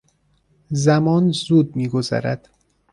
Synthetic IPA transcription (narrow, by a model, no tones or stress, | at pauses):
zæmɒːnzuːd̪̚miːɡozæ̰ɾæd̪̥